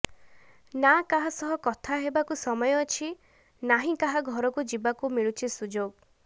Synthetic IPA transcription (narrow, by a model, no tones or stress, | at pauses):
nakaɦasɔɦɔkɔt̪ʰaɦebakusɔmɔjɔːt͡ʃʰi | naɦĩkaɦaɡʱɔɾɔkud͡ʒibakumiɭut͡ʃʰisud͡ʒoɡ